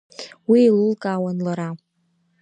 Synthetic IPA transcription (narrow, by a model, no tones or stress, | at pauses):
wiːlɨlkʼaːwanlaɾa